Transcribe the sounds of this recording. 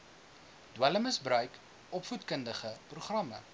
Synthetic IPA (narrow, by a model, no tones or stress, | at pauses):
d̥wæləməsbrœɥk | ʔɔpfutkəndəχəpruχrɐmə̰